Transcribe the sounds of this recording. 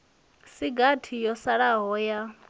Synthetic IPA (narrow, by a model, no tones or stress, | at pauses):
siɡatʰijɔsaɺaɦɔja